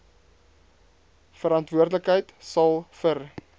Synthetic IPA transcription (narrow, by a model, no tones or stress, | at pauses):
fəɾɐntvuərdələkɦəjtsɐlˠfər